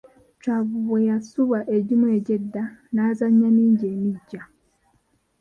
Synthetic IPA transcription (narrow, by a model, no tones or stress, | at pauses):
t͡ʃaβuβwejasuβaʔeɟimwe̞ːɟe̞dːanaːzaɲːaniːɲɟe̞ːmiɟːa